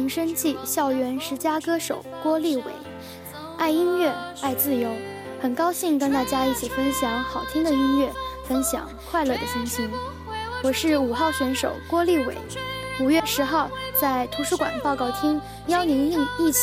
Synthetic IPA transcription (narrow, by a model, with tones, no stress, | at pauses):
i˧˥ŋʂə˥ŋt͡ɕi˥˩ɕjɑ˥˩ʊɥɛ˧˥nʂɻ̩˧˥t͡ɕja˥kɤ˥ʂo˨˩ʊkwɔ˥li˥˩wḛ˨˩˦ɪ | a˥˩ɪi˥nɥɛ˥˩a˥˧ɪt͡sɹ̩˥˩jo˧˥ʊ | xə˨˩nkɑ˥ʊɕi˥˧ŋkə˥nt̪a˥˩t͡ɕja˥i˥˩t͡ɕʰi˨˩fə˥nɕjɑ˧˥ŋxɑ˨˩ʊt̪ʰi˥ŋd̪ə˨i˥nɥɛ˥˩fə˥nɕjɑ̰˨˩˦ŋkʰwa˥˧ɪlɤ˥˩d̪ə˩ɕi˥ŋɕi˥n | wɔ˨˩ʂɻ̩˥˩u˨˩xɑ˥˩ʊɕɥɛ˧˥nʂo˨˩ʊkwɔ˥li˥˩wḛ˨˩˦ɪu˨˩ɥɛ˥˩ʂɻ̩˧˥xɑ˥˧ʊt͡sa˥˩ɪt̪ʰu˧˥ʂu˧˥kwa̰˨˩npɑ˥˧ʊkɑ˥˩ʊt̪ʰi˥ŋ | jɑ˥ʊni˧˥ŋi˥˧ŋi˥˩t͡ɕʰ